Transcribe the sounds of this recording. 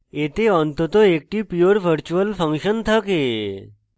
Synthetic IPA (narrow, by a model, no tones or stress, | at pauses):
et̪eɔnt̪ət̪ɔek̚ʈiːpjoɾʋʱəɾt͡ɕuəlfə̃ŋkɕənt̪ʰake